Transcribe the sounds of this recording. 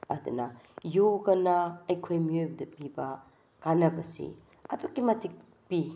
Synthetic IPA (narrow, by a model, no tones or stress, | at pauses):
ɐ̰dṵnɐjoɡɐnɐɐjkʰojmiojbɐdɐpibɐ | kanɐbɐsḭ | ɐdokːimɐtʰik̚ | pi